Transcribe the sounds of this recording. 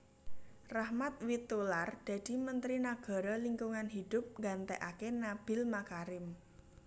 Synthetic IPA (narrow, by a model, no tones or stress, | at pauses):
rahmat̪̚wit̪ulard̪̥a̤d̪̥i̤mənt̪ɾinaɡ̥a̤ɾɔliŋkuŋanɦid̪̥ʊ̤p̚ŋɡant̪ɛʔakenab̥ɪ̤lmakaɾɪm